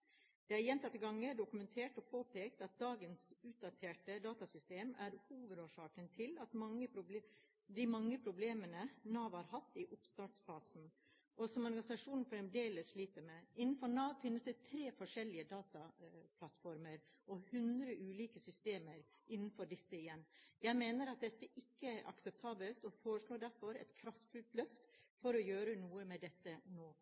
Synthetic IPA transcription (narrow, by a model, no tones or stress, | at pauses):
d̪̥ɛæɾjɛnt̪ʰɑt̪ːəɡɑŋːəɖʊkʉmɛnt̪ʰeːʈɔpʰoːpʰeːk̚t̪ɑt̪̚d̪ɑːɡənsʉːt̪̚d̪ɑt̪ʰeːʈəd̪ɑːt̪ɑsʏst̪eːmæɾhuːʋəd̪oːʂɑːkənt̪ʰɪlɑt̪mɑŋːəpɾʊb | d̪ɪmɑŋːəpʰɾʊbleːmənənɑːʋhɑɾhɑt̪ːɪʔʊpst̪ɑːʈsfɑːsn̩ | ʔɔsɔmɔɾɡɑnɪsɑʂuːnn̩fɔɾɛmd̪eːləsʂliːt̪əmɛɪnːn̩fɔnɑːʋfɪnːəsd̪ɛt̪ʰɾeːfɔʂɛlːɪəd̪ɑːt̪ɑpʰlɑt̪fɔɾməɾ | ɔhʉnd̪ɾəʔʉːliːkəsʏst̪eːməɾʔɪnːn̩fɔɖɪsːəɪjɛnːjæɪmeːnəɾɑt̪̚d̪ɛt̪ːəʔɪkːəæɾʔɑ̰ksɛp̚t̪ʰɑːbəlt̪ɔfoːɾəʂɭoːɖæɾfɔɾɛ̰t̪kʰɾɑft̪fʉlt̪lœft̪fɔɾɔjøːɾənuːəmɛd̪ɛt̪ːənoː